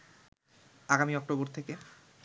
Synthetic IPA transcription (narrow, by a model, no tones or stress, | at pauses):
aɡamiɔk̚ʈoboɾt̪ʰeke